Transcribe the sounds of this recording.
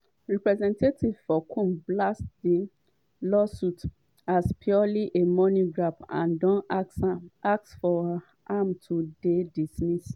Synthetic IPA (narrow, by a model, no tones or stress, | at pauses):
ɹɛpɹɛzɛ̃ntetivfɔkʰũmblasdi | lɔsut | aspʰjɔliʔemɔniɡɹapã̰ndɔ̃n | ak̚sfɔ | amtʰudedismis